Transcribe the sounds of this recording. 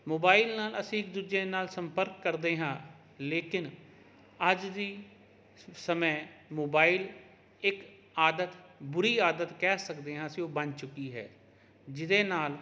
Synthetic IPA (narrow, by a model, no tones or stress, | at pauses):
moːbaːilnaːləsĩːɪk̚d̪ud͡ʒeːnaːlsəmpəɾkːəɾd̪eːɦãː | leːkɪn | əd͡ʒd̪iː | səməːmoːbaːil | ɪk | aːd̪ət̪bʊɾiːaːd̪ət̪kɛːsəkd̪eːɦãːəsĩːoːbənt͡ʃʊkːiːɦɛ̰ː | d͡ʒɪd̪eːnaːl